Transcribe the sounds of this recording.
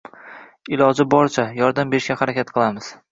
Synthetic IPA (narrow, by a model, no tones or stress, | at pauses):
ɪlɒd͡ʒɪbɒɾt͡ʃʰajɒɾd̪ambe̞ɾɪʃkʲahaɾakʲat̪̚qʰɨlˠamɪz̥